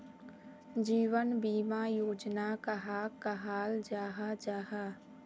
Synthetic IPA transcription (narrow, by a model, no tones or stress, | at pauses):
d͡ʒiːwənbiːmajoːd͡ʒnakaɦaːkaɦaːld͡ʒaːɦad͡ʒaːɦaː